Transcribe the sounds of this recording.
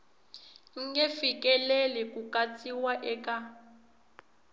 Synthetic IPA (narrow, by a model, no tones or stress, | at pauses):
ŋ̩ɡɛfikʼɛlɛlɛkukʼat͡sʼiwaʔɛka